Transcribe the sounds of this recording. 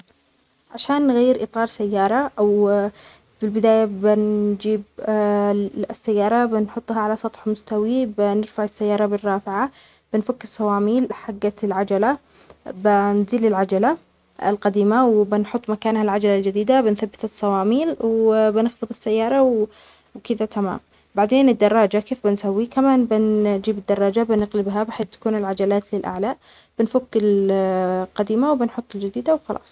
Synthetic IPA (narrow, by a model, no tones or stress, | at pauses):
ʕaʃaːnːɣajːɪɾʔɨt̪ˤɑːɾˤsajːɑːɾˤɑʔaw | fɪlbɪd̪aːjabɪnd͡ʒiːb | sːajːɑːɾˤɑbɪnħʊt̪ˤːhaʕalasˤɑt̪ˤħmʊst̪awibɪnɪɾfaʕɪsːajːɑːɾˤɑbɪrːɑːfɪʕa | b̥ɪnfakːɪsˤːɑwɑːmiːlħaɡːalʕad͡ʒala | bɪnziːlɪlʕad͡ʒala | ɪ̰lqɑd̪iːmawbɪnħʊt̪ˤːmakaːnhalʕad͡ʒalald͡ʒɪd̪iːd̪abɪnθabːɪt̪ɨsˤːɑwɑːmiːlwbɪnɪxfɨðˤɪsːajːɑːɾˤɑw | wkɪðat̪ama̰ːm | baʕd̪eːnɪd̪ːɑrˤːɑːd͡ʒakeːfbɪnsawːikamaːnbɪnd͡ʒiːbɪd̪ːɑrˤːɑːd͡ʒabɪnɪqlɪbɦabɪħeːθt̪ḁkuːnɪlʕad͡ʒalaːt̪lɪlʔa̰ʕlaʔ | b̥ɪnfʊkːɪl | qɑd̪iːmawbɪnħʊt̪ˤːɪld͡ʒɪd̪iːd̪awxɑlʔɑ̰ːsˤ